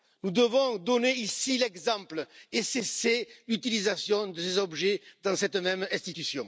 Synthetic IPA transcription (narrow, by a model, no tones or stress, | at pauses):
nud̪əvɔ̃d̪ɔneisilɛɡzɑ̃pləeseselyt̪ilizasjɔ̃d̪əsezɔbʒed̪ɑ̃sɛt̪əmɛmɛ̃st̪it̪ysjɔ̃